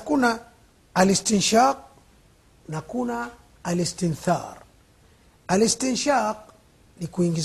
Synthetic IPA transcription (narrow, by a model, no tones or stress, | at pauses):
kuna | alistinʃaq̚ | nakunaː | listinθa̰ɾ | alistinʃaq̚ | nikuiŋɡiz